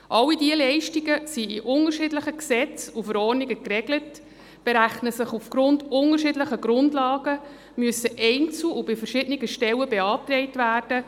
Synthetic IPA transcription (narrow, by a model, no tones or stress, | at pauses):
ʔɑlːidiəlɛɪʃtiɡəsiɪʔʊnərʃɪdləχəksɛt͡sufəɾɔːrniɡəkrɛɡlət | b̥eɾæχnəsəχufɡ̥ɾʊndʊnərʃɪdləχəɡɾʊndlɑːɡə | myəsəʔɛɪnt͡sl̩ubɪfəɾʃɪdəniɡəʃtɛwəbeɑːptɾɛɪtvæːrd̥ə